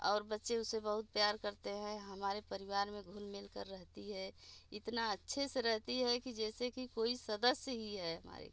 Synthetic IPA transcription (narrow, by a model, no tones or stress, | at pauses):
ɔ̰ːɾbətːʃẽʊsebəɦʊt̪̚pjaːɾkəɾt̪eɦɛ̃ɦɐmaːɾepəɾɪwaːɾmẽɡʱulmɪlkəɾːəɦt̪iɦɛɪt̪naətːʃʰeseɾəɦt̪iɦɛkid͡ʒɛːsekikoːisəd̪əsjəɦiɦɛɦəma̰ːɾḛ